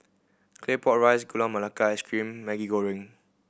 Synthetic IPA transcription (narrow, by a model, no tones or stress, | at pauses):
kʰlepɔtɹajsɡulãmalakaɛskɹĩmːɛɡiɡoɹĩŋ